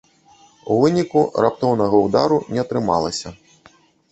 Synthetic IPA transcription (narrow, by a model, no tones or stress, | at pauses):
uvɨnʲikurap̚t̪ɔwnɐɣɐud̪aɾunʲɛɐt̪ɾɨma̰lˠɐsʲɐ